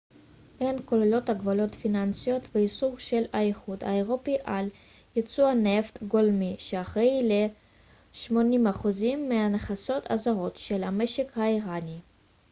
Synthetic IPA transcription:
ʔenko̞lelo̞t̪haɡvalo̞t̪finansijo̞t̪veisuʁʃelaeχud̪a̰eʁo̞piʔal | jet͡suaneft̪ɡolmiʃeaχʁejle | ʃmo̞nimhaχuzimːeaneχaso̞t̪ʰa̰zaʁo̞t̪ʃelameʃekhaiʁani

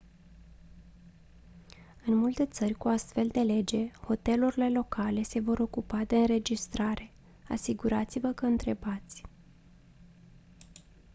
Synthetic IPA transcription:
ɨnmult̪e̞t̪sərʲkuast̪fe̞ld̪e̞le̞d͡ʒe̞ho̞t̪e̞luɾile̞lo̞kʰale̞se̞vo̞ɾo̞kupad̪e̞ɨnɾe̞d͡ʒist̪ɾaɾe̞ | a̰siɡuɾat̪sivəkəɨnt̪ɾe̞bat̪sʲ

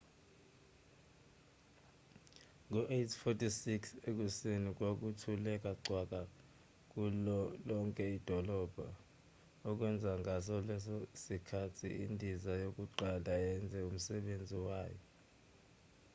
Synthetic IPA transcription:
ŋɔʔetʰfɔtʰʼisiksek̬usinik̬wok̬utʰulɛk̬ʼaǀʱwak̬ʼa | k̬ulɔŋkʼɛid̥ʱɔlɔb̥ʱa̰ | ɔk̬wɛnd͡zʱaŋas̬ɔlɛsɔsikʰatʰḭindʱizajok̬ʼuǃalaɛnd͡zʱɛum̩sɛɓend͡zʱiwaːjɔ

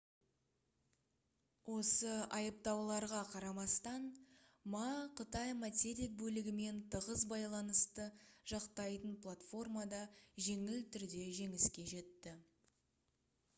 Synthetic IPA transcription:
wʔo̞səɑjəp̚t̪ɑwlˠɑɾʁɑqʰɑɾɑmɑst̪ɑnmɑqʰət̪ɑjmat̪ʲeɾik̚bɵlɪɡʲɪme̞nt̪ʰəʁəzbɑjlˠɑnəst̪əʒ̥ɑqt̪ɑjt̪ənplˠat̪fo̞rmɑd̪ɑʒe̞ŋɪlt̪ʰʏɾd̪e̞ʒe̞ŋɪskʲe̞ʒe̞t̪ːɪ

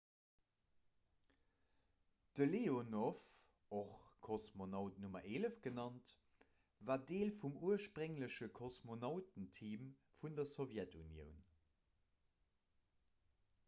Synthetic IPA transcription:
d̥əleonof | oχkʰosmonɑʊtnumɐʁeːləfɡ̥ənɑnt | vaːdeːlfumuəʃpʁəŋləɕəkʰosmonɑʊtən̩tʰiːmfundɐsovjɛtʰunjə̰ʊn

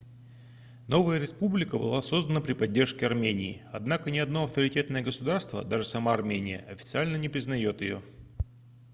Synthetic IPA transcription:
no̞vəjəɾʲɪspublʲɪkəbɨ̰lˠaso̞zd̪ənəpɾʲɪpɐdʲːe̞rʂkʲɪɐrmʲenʲɪːɐd̪nakənʲɪɐd̪no̞ɐft̪əɾʲɪtʲe̞t̪nəjəɡəsʊd̪arst̪və̰d̪aʐɨsɐmaːrmʲenʲɪ̰jə̰ɐfʲɪ̥t̪sɨalʲnənʲɪpɾʲɪznɐjo̞t̪jɪ̰jo̞̰

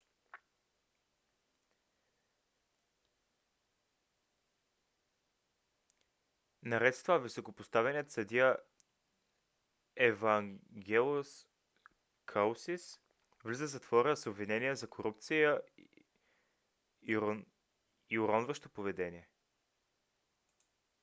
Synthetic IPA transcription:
nɐɾɛt̪st̪vəvisokopost̪avɛniət̪sɐd̪iə | ɛvɐŋɡʲɛlˠos | kʰalˠsis | vlizəzɐt̪vɔɾəsobvinɛniəzɐkoɾup̚t̪sijə | iʊɾɔnvəʃt̪opovɛd̪ɛnʲiɛ

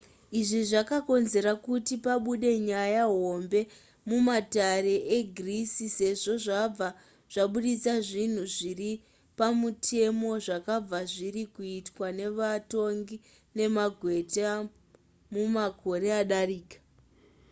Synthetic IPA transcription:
iʐiʐakako̞nze̞ɾakutipaɓuɗe̞ɲajaɦo̞mbe̞ | mumataɾe̞ʔeɡʱrisise̞ʐo̞ʐab͡va | ʐ̥aɓuɗit͡saʐin̤uʐiri | pamutʰe̞mo̞ʐakab͡vaʐirikuitwane̞ʋato̞ŋɡi | ne̞maɡʱwe̞ta | mumako̞ɾe̞aɗariːkḁ

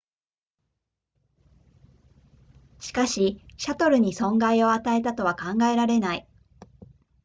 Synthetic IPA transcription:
ɕi̥kaɕiɕat̪o̞ɾɯ̟ɲ̟isõ̞ŋɡaio̞at̪ae̞t̪at̪o̞β̞akãŋɡae̞ɾaɾe̞nai

